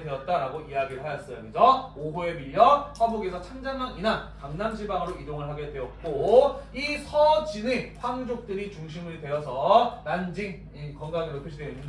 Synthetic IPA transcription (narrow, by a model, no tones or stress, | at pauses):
de̞ʌt̚t͈aɾaɡoiaɡiɾɯɭɦajʌs͈ʌjʌmend͡ʑʌoɦue̞miʎːʌɸwaboɡiesʰʌt͡ɕʰand͡ʑanːaŋinankaŋnanɕʰibaŋɯɾoidoŋɯɭɦaɡe̞dwe̞ʌt̚k͈oisʰʌd͡ʑineɸwaŋd͡ʑok̚t͈ɯɾit͡ɕuŋɕʰimɯɭdwe̞ʌsʰʌnand͡ʑiŋ | ikʌŋɡaŋeɾotʰɯɕʰideinːɯnd